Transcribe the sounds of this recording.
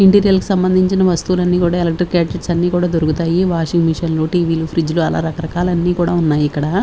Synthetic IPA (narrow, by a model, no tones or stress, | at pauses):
iɳʈiɾijɐlku̥sɐmbɐnd̪ʱiɲt͡ʃinɐʋɐst̪uːlɐnːiːkuːɽaːelɐk̚ʈɾiɾkaːʈeʈsɐnːiːkuːɽaːd̪oɾukut̪aːjiʋaːʂiŋmiʂɐnloːʈiːʋiːlupʰɾid͡ʒluɐla̰ːɾɐkɐɾɐkaːlɐnːiːkuːɽaːunːaːjiikːɐɽaː